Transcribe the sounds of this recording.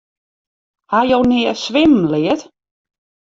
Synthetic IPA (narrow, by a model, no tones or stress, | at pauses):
hajownɪəsʋɪm̩lɪət